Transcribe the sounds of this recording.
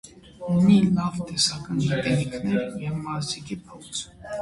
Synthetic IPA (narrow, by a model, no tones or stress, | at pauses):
unilɑvt̪ɛsɑkɑnjɛt̪ʼɛɾikʰnɛɾjɛvmɑzikipʰɔt͡sʰ